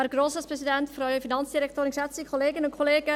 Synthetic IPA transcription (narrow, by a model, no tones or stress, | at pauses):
ɛɾɡ̥ɾoːsəspɾɛsidɛntfɾɔʏɥəfinɑnt͡sd̥iɾɛk̚tʰoːɾɪnʃɛt͡sikʰoleːɡənʊnkʰoleːɡə